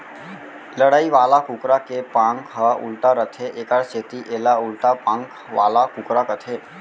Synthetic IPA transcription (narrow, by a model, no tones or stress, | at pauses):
ləɽaiʋalakukɾakepãŋkɦəṵlʈaɾət̪ʰeʔekaɽset̪iʔelaulʈapãŋk | ʋa̰lakũkɾakət̪ʰe